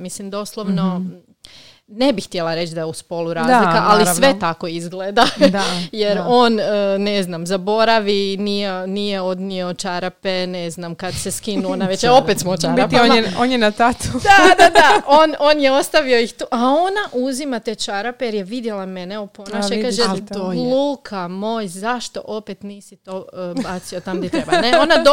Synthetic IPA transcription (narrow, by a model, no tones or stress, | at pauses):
mislimd̪o̞slˠoʋno | ne̞bixt̪jelaɾe̞t͡ʃd̪ajeuspo̞lˠuɾaːzlikaʔalisʋe̞t̪ako̞izɡleːd̪ajeɾo̞ːnːne̞znamzabo̞ɾaʋinijenijeo̞d̪nio̞t͡ʃaɾape̞neznamkad̪seskinuonaʋet͡ʃjeo̞pet̪smojt͡ʃaɾaoeonjenat̪at̪ud̪ad̪ad̪aono̞ːnjeo̞st̪aʋio̞ixt̪uːʔao̞naʔuzimat̪eːt͡ʃaɾapejeɾjeʋid̪jelˠame̞neoponaʃeikaːʒelˠuːkʰamo̞ːjzaʃt̪o̞̰ʔo̞pet̪niːsit̪o̞baːt̪sio̞t̪amd̪it̪ɾebaneonad̪